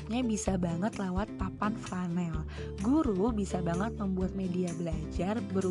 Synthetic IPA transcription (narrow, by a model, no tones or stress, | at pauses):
ɲabisabaŋət̪lewat̪̚papanfɾanɛl | ɡuɾubisabaŋət̪̚məmbuat̪̚mediabəlad͡ʒarbəɾ